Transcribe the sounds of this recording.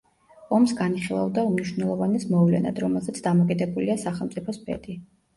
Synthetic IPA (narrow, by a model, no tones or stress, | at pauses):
ɔmsɡaniχilˠa̰vd̪aumniʃwnɛlˠɔvanɛsmɔvlɛ̰na̰d̪ɾɔmɛlˠzɛt̪sʰd̪amɔkʼid̪ɛbuliasaχɛlˠmt̪sʼipʰɔspʰɛ̰d̪ʼi